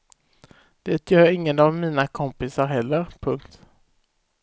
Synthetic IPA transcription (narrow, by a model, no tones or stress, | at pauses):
d̪̥eːt̪ʰjœːɾɪŋːənavmiːnakʰɔmpɪsaɾɦɛlːəɾpʰɵŋkt̪